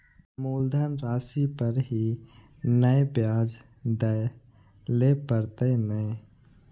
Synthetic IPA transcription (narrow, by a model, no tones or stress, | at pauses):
muːld̪ʱənɾaːsipəɾɦi | nəebjaːd͡ʒ | d̪əe | lepəɾt̪enəe